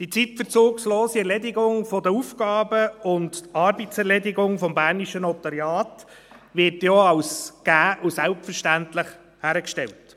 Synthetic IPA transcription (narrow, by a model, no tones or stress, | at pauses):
d̥it͡sitfəɾt͡soːksloːsiɛɾlɛdɪɡʊŋfɔdəufɡ̥ɑːbəʊntɑɾbitsɛɾlɛdɪɡʊŋfɔmbæːɾniʃənɔtɑɾjɑːt | ʋɪɾtjɔɑwsɡ̥æːʔusælptfəɾʃtæntlɪχ | hæːɾəkʃtɛlt